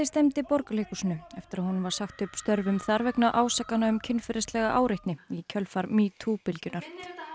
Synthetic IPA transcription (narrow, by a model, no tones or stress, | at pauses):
ɪst̪ɛmt̪ɪpɔɾkalɪkusɪnːʏɛft̪ɪɾaðhunvaɾ̥saxt̪ʏpst̪œɾvʏmθaɾvɛknaʔaːwsakːanaʏmcʰɪnːfɪɾɪst̪lɛɣaʔaːwɾɪht̪nɪicʰœlfaɾmit̪ʰupɪlcʏnaɾ̥